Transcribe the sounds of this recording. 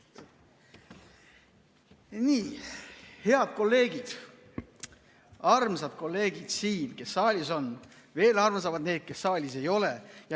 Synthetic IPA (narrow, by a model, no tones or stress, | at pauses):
niː | he̞ɑd̪̥̚ko̞lːe̞ːɡid̪̥ | ɑrmsɑd̪̥̚ko̞lːe̞ːɡ̥id̪̥siːnke̞sːɑːlʲiso̞n | ve̞ːlɑrms̬ɑvɑd̪ne̞ːd̪̥̚ke̞sːɑːlʲise̞jo̞lejɑ